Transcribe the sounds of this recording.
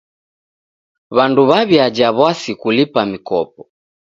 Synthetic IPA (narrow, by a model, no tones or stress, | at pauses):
βanduβaβiad͡ʒaβwasikulipamikɔp̚ɔ